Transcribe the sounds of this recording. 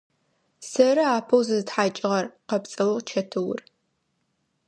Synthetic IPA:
sɐɾɨaːpʰɐwzɨzɨtħaːt͡ʃʼɪʁɐrqɐpt͡sʼɐwɐt͡ʃʰɐtʰɨwʊr

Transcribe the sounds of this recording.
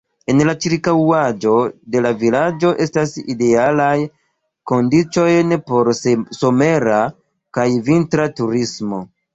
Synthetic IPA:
e̞nlat͡ʃiɾkawad͡ʒo̞de̞lavilad͡ʒo̞ʔe̞staside̞alaj | ko̞ndit͡ʃo̞jnpo̞ɾso̞me̞ɾa | kajvintɾatuɾismo̞̰

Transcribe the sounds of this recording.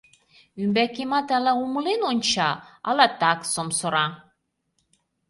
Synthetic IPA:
ymbækemɑt̪ælæumɤlenonʲt͡ɕɑɑ̰lɑt̪ɑksomsoɾɑ

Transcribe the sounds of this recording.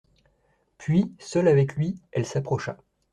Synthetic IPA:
pɥisœlavɛklɥiɛlsapχɔʃa̰

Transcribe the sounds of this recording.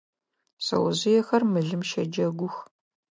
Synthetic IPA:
sɐ̰wɐzɪjɛxɐrmɨɮɨmʃɐd͡ʒɐɡʷʊx

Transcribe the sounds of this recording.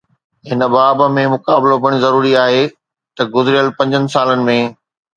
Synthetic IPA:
ɦɪnə̆baːbmẽmʊkaːblobɐɽ̃ĭzɐɾuːɾiaːɦe | t̪ɐɡʊzɪɾɪjəlpɐ̃ɲd͡ʑənɪ̆saːlənɪ̆mẽː

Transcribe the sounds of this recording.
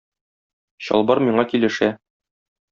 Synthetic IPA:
ɕɒ̰lˠbɑɾmiɴɑkilɘ̆ʃæ

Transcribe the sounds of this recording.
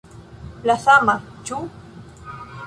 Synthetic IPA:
plaθamat͡ʃu

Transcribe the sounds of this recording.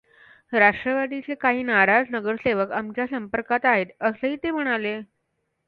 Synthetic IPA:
ɾaʂʈɾəʋad̪it͡sekaɦiːnaɾad͡znəɡəɾseʋəkamt͡ɕjasəmpəɾkat̪aɦet̪əsəɦiːt̪em̤əɽ̃ale

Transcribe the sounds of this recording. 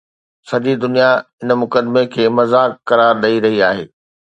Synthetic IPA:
sɐʄid̪ʊnijaɪnəmʊkəd̪mekʰeːmɐzaːkːɐɾaːɾɗɐiɾɐɦiaːɦḛː

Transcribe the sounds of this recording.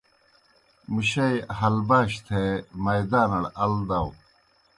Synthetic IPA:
muɕɐjɦɐlbaːɕt̪ʰemɐjd̪aːnɐɽɐld̪ɐw

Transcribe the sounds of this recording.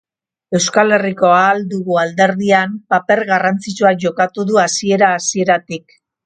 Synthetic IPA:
e̞wskale̞riko̞ald̪uɣuald̪e̞ɾðiampape̞ɾɣarant͡sit͡suaʝo̞kat̪uðuasie̞ɾaːsie̞ɾat̪ik

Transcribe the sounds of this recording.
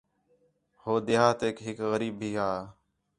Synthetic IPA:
hoːd̪ɪɦaːt̪eːkɦɪkɣəɾiːbiːɦaː

